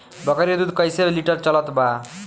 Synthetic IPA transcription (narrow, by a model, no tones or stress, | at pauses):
bɔkaɾiod̪ud̪ʱkɔjseliʈɔɾt͡ɕɔlɔt̪ba